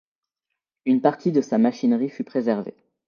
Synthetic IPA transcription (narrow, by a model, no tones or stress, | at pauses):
ynpaʁt̪ʰid̪əsamaʃinʁifypχezɛʁvḛ